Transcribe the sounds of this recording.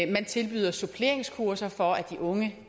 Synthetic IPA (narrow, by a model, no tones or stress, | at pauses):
mænt͡sʰe̝lb̥y̰ːð̞ˠɐso̝pʰle̝ɐeŋskʰuɐsɐfɒ̽æd̥iʔɔ̽ŋə